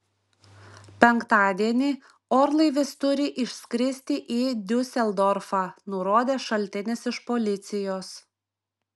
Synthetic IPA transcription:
pʲɛŋˑkt̪ɑːd̪ʲiɛnʲi | ɔːɾlˠɐɪʋʲɪst̪ʊɾʲɪʔɪʃʲsʲkʲɾʲɪsʲt̪ʲɪʔiːd̪ʲʊsʲɛlˠd̪ɔɾfɑːnʊɾoːd̪ʲeːʃɐlʲt̪ʲɪnʲɪsɪʃpolʲɪt̪sʲɪjoːs

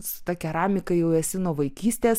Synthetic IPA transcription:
sʊ̥t̪ɐkʲɛɾɑːmʲɪkɐjɛʊɛsʲɪnoːʋɐɪkʲiːsʲt̪ʲeːs

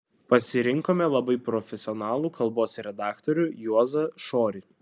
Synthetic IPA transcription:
pɐsʲɪɾʲɪŋkoːmʲɛlˠɐbɐɪpɾɔfʲɛsʲɪɔnɑːlˠuːkʰɐlˠboːsɾʲɛd̪ɑːkt̪oɾʲʊjuɔzɐʃoːɾʲɪ

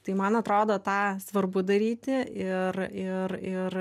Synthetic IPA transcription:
t̪ɐɪmɐnɐt̪ɾoːd̪oːt̪ɑːsʋɐrbʊd̪ɐɾʲiːt̪ʲɪʔɪrɪrɪr

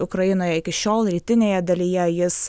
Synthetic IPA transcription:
ʊkɾɐjɪnoːjɛɪkʲɪʃʲoːlˠɾʲiːt̪ʲɪnʲeːjɛd̪ɐlʲijɛjɪs

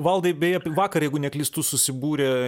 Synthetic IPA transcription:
ʋɐlˠd̪ɐɪbʲɛjɛpʲʋɑːkɐrjɛɪɡʊnʲɛklʲiːst̪usʊsʲɪbuːɾʲe

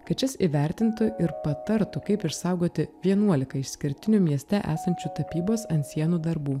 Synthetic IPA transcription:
kɐt͡ʃʲɪsiːʋʲɛˑɾʲt̪ʲɪnt̪ʊʔɪɾpɐt̪ɐɾt̪ʊkɐɪpɪʃsɐˑʊɡoːt̪ʲɪʋʲiɛnuɔlʲɪkɐɪʃsʲkʲɪɾʲt̪ʲɪnʲʊmʲiɛsʲt̪ʲɛʔæ̰ːsɐnʲt͡ʃʲut̪ɐpʲiːboːsɐnt̪sʲiɛnuːd̪ɐɾbuː

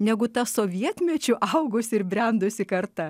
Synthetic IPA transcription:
nʲɛɡʊt̪ɐsoːʋʲiɛt̪ʲmʲɛt͡ʃʲʊʔɐʊɡʊsʲɪɾbʲɾʲɛnd̪ʊsʲɪkɐɾt̪ɐ

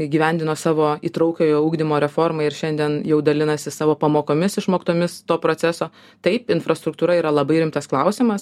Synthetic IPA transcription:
iɡʲiːʋʲɛnʲd̪ʲɪnoːsɑːʋoːḭːt̪ɾɐʊkʲoːjoːuːɡd̪ʲɪmoːɾʲɛfoːɾmɐɪɪɾʃʲɛnʲd̪ʲiɛnjɛʊd̪ɐlʲɪnɐsʲɪsɑːʋoːpɐmoːkoːmʲɪsɪʃmoːkʲt̪oːmʲɪst̪oːpɾoːsʲæsoː | t̪ɐɪpɪnfɾɐst̪ɾʊk̚t̪uːɾɐiːɾɐlˠɐbɐɪɾʲɪmt̪ɐsklˠɐʊsʲɪmɐs

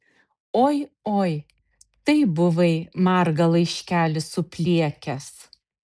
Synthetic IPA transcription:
oːjoːj | t̪ɐɪbʊʋɐɪmɑɾɡɐlˠɐɪʃʲkʲæːlʲɪsʊpʲlʲiɛkʲɛs

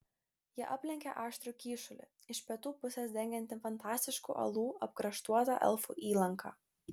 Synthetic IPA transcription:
jiɛʔɐpʲlʲɛŋʲkʲɛ̰ʔɑːʃt̪ʲɾʲukʲiːʃʊlʲɪ̰ | ɪʃpʲiɛt̪uːpʊsʲɛsd̪ʲɛŋʲɡʲɛnʲt̪ʲɪfɐnt̪ɑːsʲt̪ʲɪʃkṵːʔɐ̰lˠuːɐp̚kɾɐʃt̪uɔt̪ɑ̰ʔɛ̰lˠfṵːʔiːlˠɐŋkʰɑ̰ː

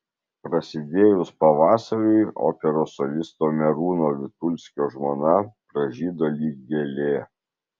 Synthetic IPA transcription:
pɾɐsʲɪd̪ʲeːjʊspɐʋɑːsɐɾʊɪo̰ːpʲɛɾoːsɔlʲɪst̪oːmʲɛɾuːnoːʋʲɪt̪ʊlʲsʲkʲoːʒmoːnɐpɾɐʒʲiːd̪oːlʲiːɡ̚ɡʲelʲeː

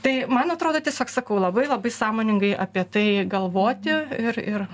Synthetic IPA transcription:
t̪ɐɪmɐnɐt̪ɾoːd̪oːt̪ʲiɛsʲoːksɐkɐʊlˠɐbɐɪlˠɐbɐɪsɑːmoːnʲɪŋɡɐɪʔɐpʲiɛt̪ɐɪɡɐlˠʋoːt̪ʲɪɪrɪr

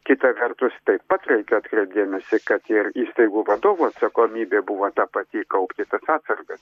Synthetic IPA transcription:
kʲɪt̪ɐʋʲɛrt̪ʊst̪ɐɪppɐt̪rɛɪkʲɛɐt̪kɾʲɛɪp̚d̪ʲeːmʲɛsʲɪkɐt̪ɪriːst̪ɐɪɡuːʋɐd̪oːʋuɐt̪sɐkoːmʲiːbʲeːbuʋoːt̪ɑpɐt̪ʲiːkɐʊpʲt̪ʲɪt̪ɐsɑːt̪sɐrɡɐs

